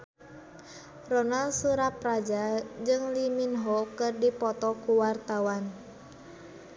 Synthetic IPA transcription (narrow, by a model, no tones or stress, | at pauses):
rɔnalsuɾaprad͡ʒad͡ʒɨŋliminɦɔkɨrdipɔt̪ɔkuwart̪awan